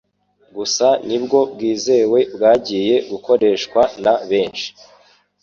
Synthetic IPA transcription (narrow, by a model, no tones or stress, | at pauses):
ɡusanibɡo̞bɡiːze̞ːwe̞bɡaːɟije̞ɡuko̞ɾe̞ːʃkwanaβe̞ːnʃi̥